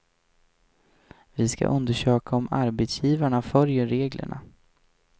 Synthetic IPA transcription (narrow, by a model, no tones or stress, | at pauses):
vɪska̰ʔɵnd̪əʂøːkaɔmaɾbɛt̪sjiːvaɳafœljəɾeːɡlə̰ɳa̰